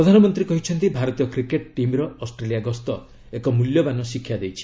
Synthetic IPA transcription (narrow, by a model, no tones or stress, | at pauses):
ɾɔd̪ʱanɔmɔnt̪ɾikɔɦit͡ʃʰɔnt̪ibʱaɾɔt̪ijɔkɾikeʈʈimɾɔɔsʈɾelijaɡɔst̪ɔ | ekɔmuljɔbanɔsikʰːjad̪ejt͡ʃʰi̥